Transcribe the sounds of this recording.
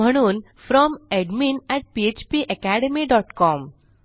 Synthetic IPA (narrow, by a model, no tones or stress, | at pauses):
əɽ̃uːn | fɾɔmeɖminɛʈ̚piet͡ɕpiʔekæɽemiɖɔːʈkɔm